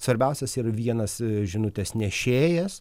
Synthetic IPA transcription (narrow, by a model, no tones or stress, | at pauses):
sʋɐɾʲbʲɛʊsʲɛsiːɾɐʋʲiɛnɐsʒʲɪnʊt̪ʲeːsnʲɛʃʲeːjɛs